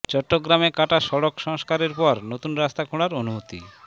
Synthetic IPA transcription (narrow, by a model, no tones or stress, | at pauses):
t͡ɕɔʈːoɡɾamekaʈaʃɔɽokʃɔŋskaɾeɾpɔɾnot̪unɾast̪akʰuɽ̃aɾonumot̪ḭ